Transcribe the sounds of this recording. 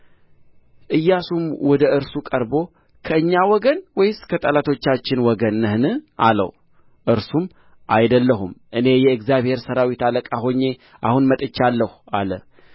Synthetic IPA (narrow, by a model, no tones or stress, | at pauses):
ʔɨjːasumwɔd̪əɨɾsukʼəɾbo̞ | kʰəɨɲːawɔɡənwɔjɪskʰət̪ʼəlat̪ʰo̞t͡ʃːat͡ʃːɪnwɔɡənːɨhnɨʔalə̰w | ʔɨɾsum | ʔajd̪əlːəɦumʔɨne̞jɛɨɡzjaβhe̞ɾsəɾawit̪aləkʼaɦo̞ɲːe̞ | ʔa̰hunmət̪ʼɨt͡ʃːalːəhualə̰